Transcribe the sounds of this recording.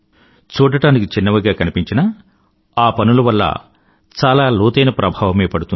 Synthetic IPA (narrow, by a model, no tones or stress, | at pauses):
t͡ʃuːʈɐʈaːnikit͡ʃinːɐʋɐɡaːkɐnipiɲt͡ʃinɐ | aːpɐnuluʋɐlːɐ̰ | t͡ʃaːlaːluːt̪ɐjnɐpɾʔɐbʱaːʋɐmeːpɐɽut̪un